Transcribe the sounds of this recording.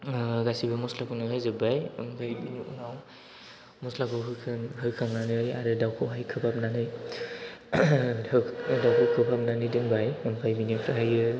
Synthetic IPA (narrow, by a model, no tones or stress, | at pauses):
ɡasibɯmɔslakʰunɯɦɯjzɯbajɯnpʰajbiniʔṵnaw | mɔslakʰɯɦɯkʰɯŋɦɯjkʰaŋnanɯja̰ɾɯdawkʰɯɦajkʰɯpʰap̚nanɯj | dawkʰɯkʰɯpʰap̚nanɯdɯnbajɯnpʰajbinipʰɾaɦajɯ